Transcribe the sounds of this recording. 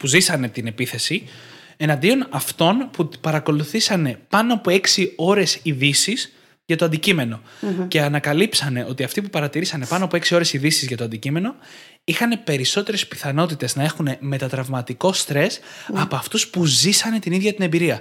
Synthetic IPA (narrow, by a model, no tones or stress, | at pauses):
puzisɐne̞t̪ine̞piθe̞si | e̞nɐnd̪io̞nɐft̪o̞npupɐɾɐko̞luθisɐne̞pɐnoɐpoe̞ksio̞ɾe̞siðisiz̥ | ʝɐt̪o̞ɐnd̪icime̞no̞ce̞ɐnɐkɐlipsɐne̞ʔo̞t̪iɐft̪ipupɐɾɐt̪iɾisɐne̞pɐnoɐpoe̞ksio̞ɾe̞siðisizʝɐt̪oɐnd̪icime̞no̞ | ixɐne̞pe̞ɾiso̞t̪e̞ɾe̞spi̥θɐno̞t̪it̪e̞znɐe̞xune̞me̞t̪ɐt̪ɾɐvmɐt̪iko̞st̪ɾe̞sɐpoɐft̪uspuzisɐne̞t̪iniðʝɐt̪ine̞mbiɾiɐ